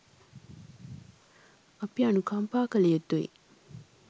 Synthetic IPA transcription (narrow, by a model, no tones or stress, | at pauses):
ɐpianukʰɐmpaːkɐlejet̪ːoḭ